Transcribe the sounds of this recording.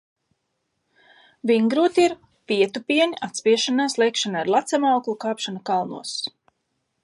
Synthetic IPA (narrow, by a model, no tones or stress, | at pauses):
viŋɡɾuːt̪ʲiɾ | piɛt̪upiɛnʲiat̪spʲiɛʃanaːslˠɛjkʃanaaɾlˠat̪sɛmawklˠukaːpʃanakalˠnṵɔs